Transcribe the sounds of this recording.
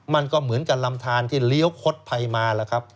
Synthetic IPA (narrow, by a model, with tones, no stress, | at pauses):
ma˧nkɔː˥˩mɯ˩˦ənka˨˩p̚la˧mt̪ʰaː˧nt̪ʰiː˥˩li˦˥ə˨˩wkʰo˦˥t̪̚pʰa˧jmaː˧lɛː˦˥˩kʰa˦˥p̚